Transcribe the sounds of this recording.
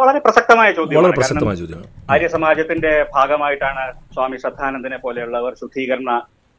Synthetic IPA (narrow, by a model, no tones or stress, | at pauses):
ʋɐɭɐɾe̞prɐsɐk̚t̪ɐmaːjɐt͡ɕo̞ːd̪ʱjɐɭɐɾeɐprɐaːɐsɐkɐt̪ɐmaːjɐt͡ɕoːd̪jɐmɐːɾjɐsɐmaːd͡ʑɐt̪ːinde̞bʱaːɡɐmaːjiʈːaːɳɨswaːmiʂɐd̪ʱaːnɐnd̪inepo̞ːle̞juɭːɐːʋɐrɕud̪ʰʱiːɣɐɾɐɳːɐ